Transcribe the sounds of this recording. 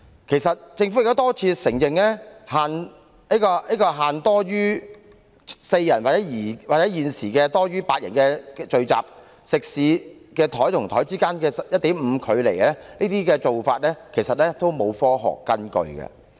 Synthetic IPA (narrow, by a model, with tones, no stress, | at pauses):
kʰe˨˩jsɐ˨t̚t͡sɪ˧ŋfu˧˥jk̚t̪ːt̪ɔː˥t͡sʰiː˧sɪ˨˩ŋjɪ˨ŋlɛː˥haː˨n | i˥kɔː˧i˥kɔː˧ɦaː˨nt̪ɔː˥ɥyː˥ | se˧jjɐ˨˩nwaː˨k̚t͡sɛː˨˥jiː˨˩waː˨˩t͡sɛ˨˥jiː˨nsiː˨˩kɛ˧t̪ɔː˥ɥyː˥paː˧t̚jɐ̰˨˩nkɛː˧t͡ʃɵ˨˧ɥt͡sa̰ː˨p̚ | sɪ˨k̚siː˨˥ | kɛː˧t̪ʰɔː˨˥jt̪ʰʊ˨˩ŋt̪ʰɔː˨˥jt͡siː˥kaː˥nkɛː˧sjɐ˥t̪i˨˥mm̩ː˨˧kʰɵ˨˧ɥle˨˩jlɛː˥niː˥t̪iː˥kɛː˧t͡so˨wfaː˧t̚lɛː˥kʰe˨˩sɐ˨t̚lɛː˥t̪o˥wmo˨˧wfɔː˥ɦɔ̰ː˨˩kːɐ˥nkɵ̰˨˧ɥkɐ̰˧